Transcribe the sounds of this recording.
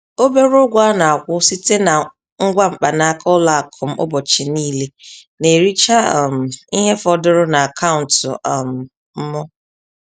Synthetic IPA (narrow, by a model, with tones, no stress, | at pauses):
o˦be˦ɾʊ˦ɡʷa˦na˨a˨kʷʊ˦si˦te˦na˨ | ŋ̩˦ɡʷa˦ŋ͡m̩˨k͡pa˨na˦kʰɔ˦la˨a˨kʰʊ˨m̩˦ʊ̰˦bɔ˨t͡ʃɪ˨niː˦le˦ne˨ɾi˦t͡ʃa˦˨m̩˨i˦ɦe˦fɔ˦dʊ˦ɾʊ˦na˨a˨kʰa˦ʊ˨n̩˨tʊ̰˨ɔ˨m̩˨ | m̩˦mɔ˦